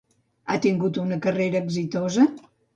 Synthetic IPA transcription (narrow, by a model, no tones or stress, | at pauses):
at̪iŋɡut̪unəkəreɾəːɡzit̪ozə